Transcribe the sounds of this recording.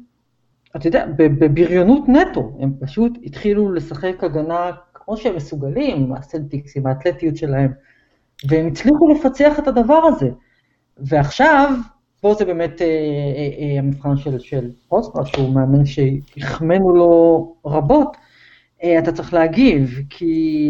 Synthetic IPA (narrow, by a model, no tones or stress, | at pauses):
at̪ajod̪ea̰bebebiʁjo̞nutne̞to̞e̞mpaʃutitχilule̞saχekaɡanakmo̞ʃeemːesuɡalima̰selt̪iksimaːt̪letijutʃe̞lahe̞m | veemit͡sliχulefat͡seaχe̞tadavaʁaze̞ | veaχʃav | b̥o̞zebe̞ːme̞te | amifχanʃelʃelʁosaʃeumeamenʃeiχmenulo̞o̞ʁabo̞t | eat̪at͡saʁeχleaɡivkʰi